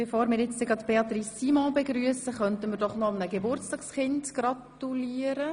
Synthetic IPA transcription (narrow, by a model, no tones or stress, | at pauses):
befoːɾmɪːɾjɛt͡sdəɡɾɑtb̥eɑt̪riːsːiːmɔ̃beɡɾyəsəχœntənmɪːɾdɔχnɔmnəɡebʊrt͡stɑːksχɪndɡ̥rɑt | uliːəɾə